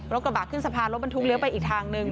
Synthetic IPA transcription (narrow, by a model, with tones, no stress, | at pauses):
ɾo˦˥kɾa˧baː˨˩kʰːɯː˥˩sa˧pʰaː˧nlo˦˥t̚ba˧nt̪ʰu˦˥kli˧˦wpa˧jʔiː˨˩k̚t̪ʰaː˧ŋnɯ˧ŋ